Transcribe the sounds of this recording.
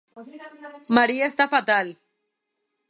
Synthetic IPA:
maɾiaest̪afat̪al

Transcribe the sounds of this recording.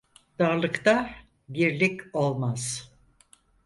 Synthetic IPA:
d̪̥aɾlˠɯkt̪a | biɾlʲiko̞lˠmaz̥

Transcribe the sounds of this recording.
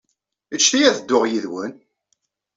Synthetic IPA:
ət͡ʃːθijæðəd̪ːʊʁjiðwən

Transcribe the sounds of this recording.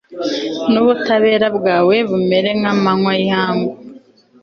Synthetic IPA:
nuβutaβe̞ːɾabɡaːwe̞βume̞ɾe̞ŋamaŋwajaːŋɡu

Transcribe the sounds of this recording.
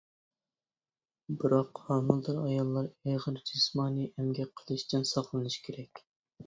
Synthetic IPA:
bɨɾɑqhɑːmɨlˠd̪ɨɾɑjɑlˠːɑɾeʁəɾd͡ʒismɑːniɛmɡʲɛqʰəlˠɨʃt̪ʰɨnsɑχlˠɨnɨʃkʲʰeɾɛkʲ

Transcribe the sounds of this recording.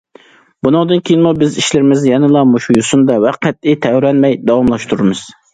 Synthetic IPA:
bunɨŋd̪ɨnkʲʰeijiɪnmubɪziʃlɪɾɪmɪzjɛnɨlˠɑmuʃujusund̪ɑwɛqʰːæt̪̚ɪt̪ʰɛɾɛnmɛjd̪ɑwɑmlˠɑʃt̪uɾɨmɨz̥

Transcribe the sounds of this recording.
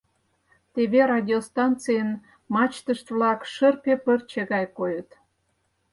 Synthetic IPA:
t̪eβerɑdʲiost̪ɑnt͡sɨjən | mɑt͡ɕt̪əʃt̪vlɑkʃərpepərt͡ɕeɣɑjkojət̪

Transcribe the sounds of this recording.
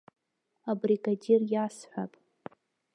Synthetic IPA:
abriɡadirjasħʷa̰pʼ

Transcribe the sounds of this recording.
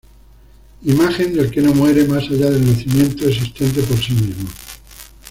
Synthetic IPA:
imaxe̞nd̪e̞lke̞no̞mwe̞ɾe̞masaʎaðe̞lnaθimjẽ̞nt̪oes̬ist̪e̞nt̪̬e̞po̞ɾsimizmo

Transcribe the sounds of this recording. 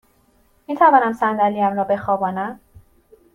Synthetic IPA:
miːt̪ʰævɒːnæmsænd̪æliæmɾɒːbe̞xɒːbɒːnæm

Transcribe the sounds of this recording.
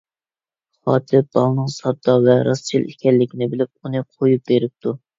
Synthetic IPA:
χɑ̰ːt̪ʰɪb̥ɑlˠnɨŋsɑt̪ːɑvɛɾɑst͡ʃʰilʔḭkʲɛlːɪkʲinɪbɪlɪp̚unɨqʰojup̚beɾɪp̚t̪ʰu

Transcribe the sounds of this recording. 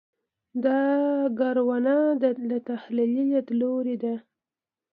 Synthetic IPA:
d̪ɑɡaɾwanad̪lat̪ahlilijat̪loɾed̪a

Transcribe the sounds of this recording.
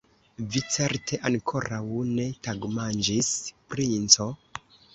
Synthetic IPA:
vit͡se̞ɾtʰe̞ʔankʰo̞ɾawne̞taɡmand͡ʒispɾint͡so̞

